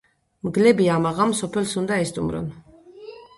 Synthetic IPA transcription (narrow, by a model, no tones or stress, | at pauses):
mɡlɛbiamaʁamsɔpʰɛlsund̪aɛst̪ʼumɾɔ̰n